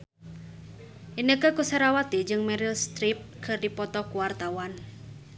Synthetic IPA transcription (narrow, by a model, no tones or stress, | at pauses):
ʔinəkəkusaɾawat̪id͡ʒɨŋmɛɾilst̪ɾip̚kʰərdipɔt̪ɔkuwart̪awan